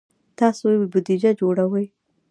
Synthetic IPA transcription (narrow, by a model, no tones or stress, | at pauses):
t̪ɑsobʊd̪id͡ʒad͡ʒoɽawəj